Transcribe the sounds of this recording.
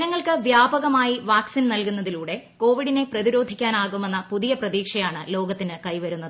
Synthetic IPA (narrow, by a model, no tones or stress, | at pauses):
nɐŋːɐɭkɨʋjaːbɐɣɐmaːjiʋaːksinnɐlkunːɐðiluːɽe̞ko̞ːʋiɽine̞prɐðiɾo̞ːd̪ʱikʲːaːnaːɣume̞nːɐpuðijɐprɐðiːkʂɐjaːɳɨlo̞ːɡɐt̪ːinɨkɐjʋɐɾunːɐðɨɨ